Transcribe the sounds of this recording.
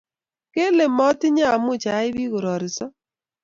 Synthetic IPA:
ke˦le˨mɔ˦tɪ˦ɲa˦˨mʊ˦˨t͡ʃa˨˦ɪ˦βi˦ɣo˨ɾɔ˨ɾɪ˨sɔ˦

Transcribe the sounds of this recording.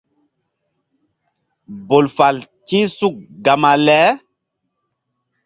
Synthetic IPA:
bo˨lfa˨l | t͡ʃĩ˦su˦˨k̚ɡa˨ma˨lɛ˦

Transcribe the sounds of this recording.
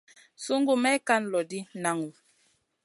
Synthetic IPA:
su˦ŋɡu˦mɛ˦ka˦n˨lɔ˨di˦na˨˦ŋu˨

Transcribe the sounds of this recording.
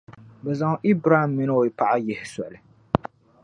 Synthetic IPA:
bɛ˨za˨ŋ˦ʔi˦bɾa˦˨mːi˦no˦˨jpa˦˨ʔa˦jɛ˨hɪ˨sɔ̰˨lɨ˨

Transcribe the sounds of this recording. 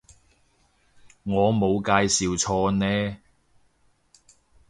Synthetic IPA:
ŋɔː˨˧mo˨˧wkaː˧jsiː˨wt͡ʃʰɔː˧nɛː˥

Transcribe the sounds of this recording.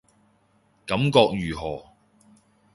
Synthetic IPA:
kɐ˨˥mkɔː˧k̚jyː˨˩ɦɔː˨˩

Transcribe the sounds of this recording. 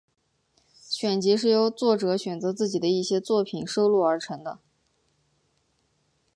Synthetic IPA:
ɕɥɛ˨˩nt͡ɕi˧˥ʂ̬ɻ̩˥˩jo˧˥ʊt͡swɔ˥˩ʈ͡ʂɤ˧˥ɕɥɛ˨˩nt͡sɤ˧˥t͡sɹ̩˥˩t͡ɕi˨˩d̪ə˦i˥˩ɕjɛ˥t͡swɔ˥˩pʰi˨˩nʂo˥ʊlu˥˩ə˞˧˥ʈ͡ʂʰɤ˧˥ŋd̪ə˧

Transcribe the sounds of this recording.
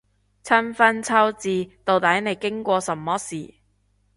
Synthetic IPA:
t͡sʰɐ˥nfɐ˥nt͡sʰɐ˥wt͡siː˧t̪o˨˧wt̪ɐ˨˥jne˨˧jkɪ˥ŋkʷɔː˧sɐ˨˩mːɔː˥siː˨˩

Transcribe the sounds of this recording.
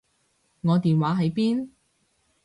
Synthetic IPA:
ŋɔː˨˧t̪iː˨nwaː˨˥ɦɐ˨˧˥jpiː˥n

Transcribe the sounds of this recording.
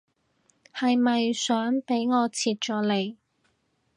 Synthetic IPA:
hɐ˨jmɐ˨jsœː˨˥ŋpe˨˥jŋɔː˨˧t͡sʰiː˨t̚t͡ʃɔː˨˥le˨˧j

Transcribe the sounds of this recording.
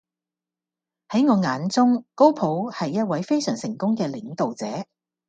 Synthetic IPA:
hɐ˨˥jŋɔː˨˧ŋaː˨˥nt͡sʊ˥ŋko˥wpʰo˨˥whɐ˨jːɐ˥t̚wɐ˨˥jfe˥jsœː˨˩ŋsɪ˨˩ŋkʊ˥ŋkɛː˧lɪ˨˥ŋt̪o˨wt͡sɛː˨˥

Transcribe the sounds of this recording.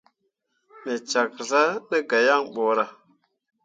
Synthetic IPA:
mi˨t͡ʃa˨k̚za˦nə˦ɡa˨ja˦˨ŋɓo˨ɾa˨

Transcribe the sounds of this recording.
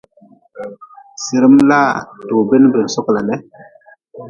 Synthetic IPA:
si˨ɾi˦mla˦˨to˨be˦n˦be˨n˨sɔ˦kla˨nɛ˦

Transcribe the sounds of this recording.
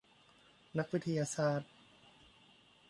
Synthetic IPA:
na˦˥k̚wi˦˥t̪ʰːa˧jaː˧saː˧˩t̪̚

